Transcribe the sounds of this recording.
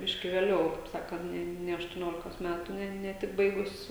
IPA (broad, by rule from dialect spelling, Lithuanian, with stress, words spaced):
ˈbʲɪʃʲkʲɪ ʋʲeːˈlʲɛʊ kɐɪp ˈsɑːkɐnt ˈnʲɛ nʲɛ ɐʃtʊˈnʲoːlʲɪkoːs ˈmʲætʊ nʲɛ nʲɛ ˈtʲɪk ˈbɐɪɡʊs